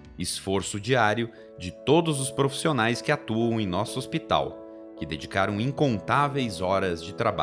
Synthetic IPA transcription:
ɪsfoɾsʊd͡ʒiaɾjʊ | d͡ʒɪt̪od̪ʊzʊspɾofi̥sionajskɪat̪uɐ̃w̃ẽj̃nɔsʊospit̪a̰w | kɪd̪ed͡ʒikaɾɐ̃w̃ĩŋkõnt̪avejzɔɾɐzd͡ʒɪt̪ɾaba̰

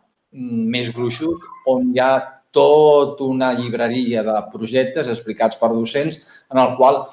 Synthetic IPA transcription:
mezɣɾuʃusonjat̪ot̪unəʎiβ̞ɾəɾiəðəpɾuʒɛk̚t̪əzəsplikat͡spəɾðusens | ənəlˠkwalˠ

